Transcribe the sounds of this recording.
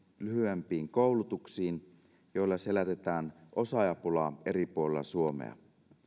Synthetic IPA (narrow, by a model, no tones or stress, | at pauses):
lyɦyæmpiːŋkowlut̪uksiːn | jo̞ilːɑse̞læt̪et̪æːnʔo̞sɑjɑpulɑe̞ɾipuolelːɑ̰suo̞mḛɑ̰